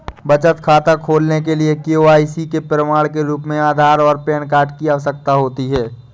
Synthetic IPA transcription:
bɐt͡ʃət̪kʰaːt̪akʰoːlnek̬eliekioaːisikepɾəmaːɭkeɾuːpmẽaːd̪ʱaːɾɔːɾpɛːnkaːʈkiaːʋəsək̚t̪aɦoːt̪iɦɛː

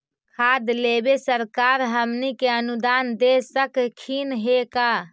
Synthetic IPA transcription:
kʰad̪lebesəɾkaɾɦəmnikeənud̪and̪esəkkʰinɦeka

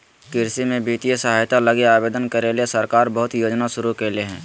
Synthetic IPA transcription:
kɪɾsimẽbiːt̪ijəsəɦaːjt̪aləɡeaːbeːd̪ənkəɾeliesɐɾkaːɾbəɦʊt̪joːd͡ʒnaʃʊɾukeleɦɛ̃ː

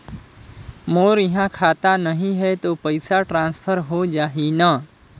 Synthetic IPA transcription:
moːɾɪɦãkʰaːt̪anəɦĩɦɛt̪opəɪsaʈɾãːnspʰəɾɦod͡ʒaːɦina

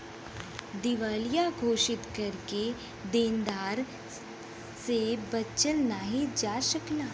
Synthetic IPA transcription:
d̪ɪʋaːlijaɡʱoːʃɪt̪kɐɾke | d̪eːnd̪aːɾ | sebɐtːt͡ʃəlnaːɦid͡ʒaːʃəklaː

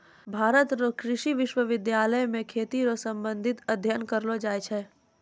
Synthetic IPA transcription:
bʱaːɾət̪ɾokɾɪʃiʋɪʃwəʋɪd̪jaːləjmẽkʰeːt̪iɾosɐ̃mbə̃nd̪ʱɪt̪ɐd̪ʱjənkəɾlod͡ʒaːjt͡ʃʰɛː

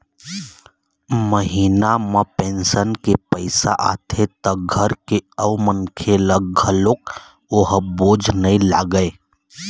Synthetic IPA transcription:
məɦiːnamə̃pẽːnsənkepəɪsa̰ʔa̰ːt̪ʰet̪ɐɡʱəɾkeəʋmənkʰeləɡ̚ɡʱəlok | oɦboːd͡ʒʱnəĩla̰ːɡəe

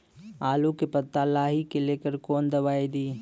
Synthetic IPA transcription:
aːlukepət̪ːalaːɦikeleːkəɾkoːnd̪əbaːid̪iː

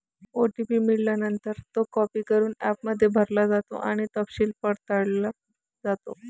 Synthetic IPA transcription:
oʈipiːmiɭljanənt̪əɾt̪okɔpiːkəɾuːnæpməd̪ʱːjebʱəɾlad͡zat̪o̰ʔaɽ̃it̪əpɕiːlpəɽt̪aɽla | d͡zat̪o

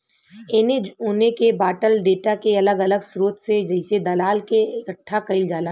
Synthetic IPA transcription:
eneʊːnekebaːʈəlɖeːʈakeɐləɡɐləɡsɾoːt̪sed͡ʒɐɪsed̪ɐlaːlkekəʈʰːakɐɪld͡ʒaːla

